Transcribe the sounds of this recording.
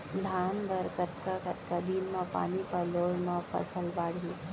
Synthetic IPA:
d̪ʱaːnbəɾkət̪kakət̪kad̪inmãpa̰ːnipɐloːɽmãpɐ̰səlbaːɽ̤ʱi

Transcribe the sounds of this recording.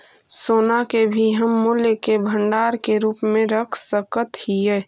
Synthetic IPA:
soːnakebʱiɦəmːuljəkebʱə̃ɳɖaːɾkeɾuːpmẽɾəkʰsəkət̪hijɛː

